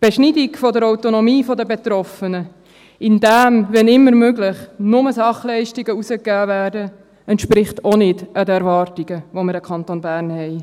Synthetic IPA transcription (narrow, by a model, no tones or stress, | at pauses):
b̥eʃnidikfɔdəɾawt̪onɔmiːfɔdəbet̪ɾɔfənə | ɪndæmvɛnɪmːəɾmøɡlɪχnʊməsɑχlɛɪʃtiɡəusəkːæːvæːɾdə | ɛntʃpɾɪχtʰonɪdʔədəɛɾvɑrtiɡəʋoməɾəkʰɑnt̪oːnbæːɾnhɛɪ